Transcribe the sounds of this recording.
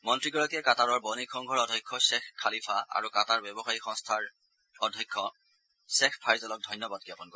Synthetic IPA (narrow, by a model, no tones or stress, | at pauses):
mɔntɹiɡɔɹakɛkataɹɔɹbɔnikʰɔŋɡʱɔɹɔdʱɔjkʰːɔsɛxkʰːalipʰaa̰ɹukataɹbɛbɔxaɹixɔ̃ŋstʰaɹ | ɔdʱɔkʰːɔ | sɛxpʰaɹjzɔlɔk̚dʱɔjnjɔbad̚kɛpɔnkɔ